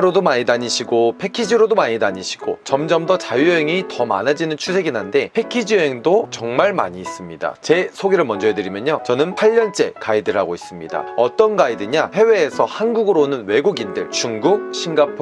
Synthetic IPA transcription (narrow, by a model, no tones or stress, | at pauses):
ɾodomaɲidaɲiɕʰiɡopʰe̞kʰid͡ʑiɾodomaɲidaɲiɕʰi̥ɡ̥ot͡ɕʌmd͡ʑʌmdʌt͡ɕajuɦeŋitʌma̰nad͡ʑinɯnt͡ɕʰusʰe̞ɡinɦande̞pʰe̞kʰid͡ʑiwe̞ŋdot͡ɕʌŋmaɭma̰ɲiːs͈ɯmɲida̰t͡ɕe̞sʰoɡeɾɯɭmʌnd͡ʑʌedɯɾimjʌnɲot͡ɕʌnɯnpʰaʎːʌnt͡ɕ͈e̞kaidɯɭɦaɡois͈ɯmɲida̰ʌt͈ʌnɡaidɯɲahe̞we̞ːsʰʌhanɡuɡɯɾonɯnwe̞ɡuɡindɯɭt͡ɕuŋɡuk̚ɕʰinɡapʰ